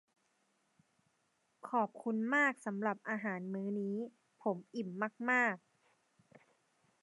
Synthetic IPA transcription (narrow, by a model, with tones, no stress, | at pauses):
kʰɔː˨˩p̚kʰu˧nmaː˥˩k̚sa˩˦mɾa˨˩p̚ʔaː˧ɦaː˩˦nmɯː˦˥niː˦˥ | pʰo˩˦mʔi˨˩mːaː˥˩k̚maː˥˩k̚